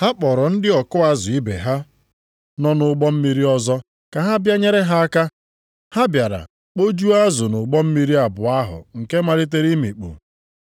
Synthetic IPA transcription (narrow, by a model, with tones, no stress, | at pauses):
ha˦k͡pɔ˨ɾɔ˨n̩˦dɪ˦ɔ˨kʊ˦a˦zʊ˨i˦bḛ˨ɦa˦ | nɔ˦nʊ˨ɡ͡bɔ˦m̩˦mi˦ɾi˦ɔ˦zɔ˦ | ka˨ɦa˦bja˦ɲe˦ɾe˦ɦa˦a˦ka˦ | ha˦bja˨ɾa̰˨ | k͡po˦d͡ʒu˦a˦zʊ˨nʊ˨ɡ͡bɔ˦m̩˦mi˦ɾi˦a˨bʊ˨a˦ɦʊ̰˨ŋ̩˨ke˦ma˦ɾɪ˦t̬e˦ɾi˦mḭ˨k͡pṵ˨